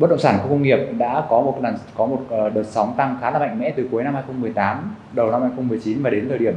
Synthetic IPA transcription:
ɓə˦˥t̚ɗə̰˧˨ŋ͡msaː˧˩nku˧˩kə˧ŋ͡mŋi˨˩əp̚ɗa̰ː˧˥kɔ˨˦mo˨˩t̚ɗa˨˩kɔ˨˦mo˨˩t̚ʔːɗəː˨˩t̚sa˨˦wŋ͡mt̪a˧ŋxaː˨˦laː˨˩ma̰˧˨ŋ̟mɛ̰˧˥t̪ɨ˨˩ku˨˦əjna˧mha˧jxə˧wŋ͡mmɨ˨˩əjt̪aː˨˦m | ɗə˨˩wna˧mhaː˧jxə˧wŋ͡mmɨ˨˩əjt͡ɕi˨˦nvaː˨˩ɗe˨˦t̪ʰəː˨˩ɗi˧˩əm

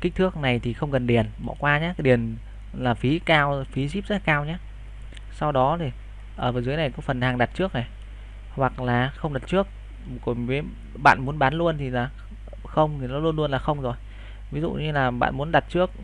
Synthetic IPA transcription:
ki˦˥k̟̚t̪ʰɨ˦˥ək̚na˨˩jt̪ʰi˨˩xə˧wŋ͡mkə˨˩nɗi˨˩ənɓɔ̰˧˨kwaː˧ɲaː˨˦kːjɗi˨˩ən | laː˨˩fi˨˦kaː˧wfi˨˦zi˦˥p̚zə˦˥la˨kaː˧wɲaː˨˦ | sa˧wɗɔ˨˦t̪ʰi˨˩ | ʔəː˧˩vəː˨˩zɨ˨˦jna˨˩jkɔ˨˦fə˨˩nhaː˨˩ŋɗa˨˩t̚t͡ɕɨ˦˥ək̚na˨˩j | hwa˨˩k̚laː˨˩xə˧wŋ͡mɗa˨˩t̚t͡ɕɨ˦˥ək̚ | ko˧˩nvəː˨˦j | ɓa̰ː˧˨nmu˨˦ənɓaː˨˦nlu˧ənt̪ʰi˨˩laː˨˩ | xə˧wŋ͡mt̪ʰi˨˩nɔ˨˦lu˧ənlu˧ənlaː˨˩xə˧wŋ͡mzo˨˩j | vi˨˦zṵ˧˨ɲɨ˧laː˨˩ɓa̰ː˧˨nmu˨˦ənɗa˨˩t̚t͡ɕɨ˦˥ək̚

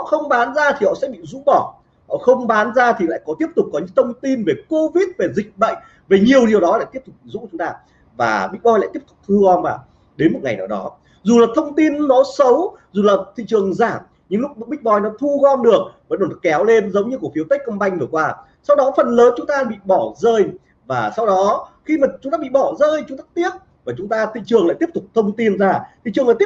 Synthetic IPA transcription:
hɔ̰˧˨xə˧wŋ͡mɓaː˨˦nzaː˧t̪ʰi˨˩hɔ̰˧˨sɛ̰˧˥ɓḭ˧˨zṵ˧˥ɓɔ˧˩ | hɔ̰˧˨xə˧wŋ͡mɓaː˨˦nzaː˧t̪ʰi˨˩la̰ː˧˨jkɔ˨˦t̪i˦˥əp̚t̪ʊ˨˩k͡p̚kɔ˨˦ɲɨ̰˧˥ŋt̪ʰə˧wŋ͡mt̪i˧nve˨˩ko˧vi˦˥t̚ve˨˩zï˨˩k̟̚ɓə̰˧˨j | ve˨˩ɲi˨˩əwɗi˨˩əwɗɔ˨˦laː˧˨t̪i˦˥əpt̪ʊ˨˩k͡p̚zṵ˧˥t͡ɕʊ˨˦ŋ͡mt̪aː˧ | va̰ː˨˩ɓï̟˦˥ɓɔ˧jla̰˧˨t̪i˦˥əp̚t̪ʊ̥˨˩k͡p̚t̪ʰu˧ɣɔ˧nmaː˨˩ | ɗe˨˦nmo˨˩t̚ŋa˨˩jnaː˨˩wɗɔ˨˦ | zu˨˩laː˨˩t̪ʰə˧wŋ͡mt̪i˧nːɔ˨˦sə˨˦wzu˨˩laː˨˩t̪ʰḭ˧˨t͡ɕɨ˨˩əŋzaː˧˩m | ɲɨ̰˧˥ŋlʊ˦˥k̚ɓï˦˥k̚ɓɔ˧˩jnɔ˨˦t̪ʰu˧ɣɔ˧nɗɨ˨˩ək̚və̰˧˥nɗo˨˩nɔ˨˦˩kɛ˨˦wle˧nzə˨˦wŋ͡mɲɨ˧ku˧˩əfi˨˦əwt̪ə˦˥k̟̚kə˧mɓa˧jŋ̟vɨ˨˩əkwaː˧ | sa˧wɗɔ˨˦fə˨˩nləː˨˦nt͡ɕʊ˨˦ŋ͡mt̪aː˧ɓḭ˧˨ɓɔ˧˩zəː˧j | vaː˨˩sa˧wɗɔ˨˦xi˧maː˨˩t͡ɕʊ˨˦ŋ͡mt̪aː˧ɓḭ˧˨ɓɔ˧˩zəː˧jt͡ɕŋ͡mt̪aː˧t̪i˦˥əp̚ | vaː˨˩t͡ɕʊ˨˦ŋ͡mt̪aː˧t̪ʰḭ˧˨t͡ɕɨ˨˩əŋl̰aː˧˨jt̪əp̚t̪k͡p̚t̪ʰə˧wŋ͡mt̪i˧nzaː˧t̪ʰḭ˧˨t͡ɕɨ˨˩əŋlaː˨˩t̪i˥

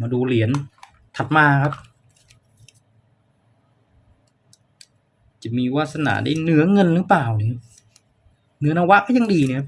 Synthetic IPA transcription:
maː˧duː˧li˩˦ən | t̪ʰa˨˩t̪̚maː˧kʰa˦˥p̚ | t͡ɕa˨˩miː˧waː˦˥˩t̪̚sa˧na̰˧˩˦daː˥˩jnɯ˨˩˦ɐŋɤ˧nɾɯː˦˥paː˨˩wni˧˩n˧˥ | nɯ˨˦ɐnaː˧wa˦˥kɔː˥˩ja˧ŋdiː˧ni˧˩kʰa˦˥p̚

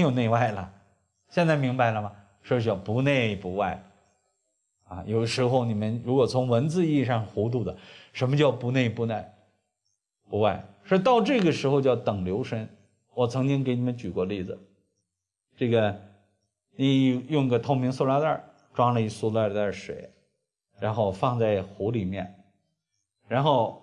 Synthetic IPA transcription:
jo˨˩ʊne˥˧ɪwa˥˩ɪlə̰˩ | ɕjɛ˥˧nt͡sa˥˩ɪmi˧˥ŋba˧ɪlə˩mɐ˩ | ʂ̩˥˩ɕɑ˧˩pu˧˥ne˥˧ɪpu˧˥wa˥˧ɪ | ɐ̰˧jo˨˩ʊd̪ə˦ʂɻ̩˧˥xo˥˧ʊni˨˩mə˦nɻu˧˥kwɔ˨˩t͡sʰʊ˧˥ŋwə˧˥nt͡sɹ̩˥˧i˥˧ʂɑ˥˩ŋxu˧˥t̪̬u˥˩d̪ə˩ʂə˧˥nmə˧t͡ɕjɑ˥˩ʊpu˧˥ne˥˩ɪpu˧˥ne˥˩ɪ | pu˧˥wa˥˩ɪʂɔ˥˧˥t̪ɑ˥˧ʊʈ͡ʂɤ˥˩ɡə˩ʂɻ̩˧˥xo˧ʊt͡ɕjɑ˥˩ʊt̪ɤ˨˩ŋljo˧˥ʊʂə˧˥n | wɔ˨˩t͡sʰɤ˧˥ŋt͡ɕi˥ŋk̬e˧˥ɪni˨˩mə˦nt͡ɕy˨˩kwɔ˥˧li˥˩d͡zɹ̩˩ | ʈ͡ʂɤ˥˩ɡə˩ | ni˧˩˧jʊ˥˧ŋi˧˥ɡə˧t̪ʰo˧˥ʊmi˧˥ŋso˥˧la˧˥ə̰˞˥˩ | ʈ͡ʂwa˥lə˧i˥˩su˥˧lə˥˧d̪ə˥˧˩ʂwḛ˨˩˦ɪ | ɻa˧˥nxo˥˧ʊfɑ˥˧ŋt͡sa˥˩ɪxu˧˥li˨˩mjɛ˥˩n | ɻa˧˥nxo˥˩ʊ

